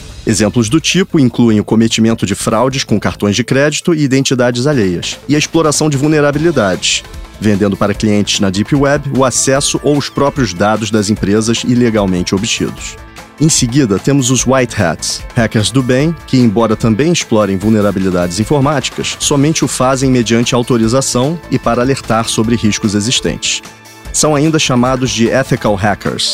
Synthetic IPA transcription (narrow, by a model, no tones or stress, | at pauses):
ezẽmplʊzd̪ʊt͡ʃipʊĩkluẽj̃ʊkomet͡ʃimẽnt̪ʊd͡ʒɪfɾʔawd͡ʒɪskõkaɾt̪õj̃zd͡ʒɪkɾɛd͡ʒit̪ʊɪid̪ẽnt͡ʃid̪ad͡ʒɪzaʎejɐ̰sɪɐesploɾasɐ̃w̃d͡ʒɪvuwneɾabilid̪ad͡ʒɪsvẽnd̪ẽnd̪ʊpaɾɐkliẽnt͡ʃɪ̥znɐd͡ʒipiwɛbʊasɛsʊʔowʊspɾɔpɾiʊzd̪ad̪ʊzd̪ɐzĩpɾezɐzileɡawmẽnt͡ʃɪobit͡ʃḭd̪ʊs | ẽj̃sɪɡid̪ɐt̪ẽmʊzʊzwajt̪hɛ̰t̪shɛkeɾzd̪ʊbẽj̃kɪẽj̃bɔɾɐt̪ɐ̃mbẽj̃ɪsʃplɔɾẽj̃vuwneɾabilid̪ad͡ʒɪzĩfoɾmat͡ʃi̥kɐsːɔmẽnt͡ʃɪʊfazẽj̃med͡ʒiɐ̃nt͡ʃɪɐawt̪oɾizasɐ̃w̃ɪpaɾɐaleɾt̪aɾsobɾɪɦiʃkʊzeziʃt̪ḛ̃nt͡ʃɪ̥s | sɐ̃w̃aĩnd̪ɐʃamad̪ʊzd͡ʒɪʔɛfikawɦɛkʰḛɾs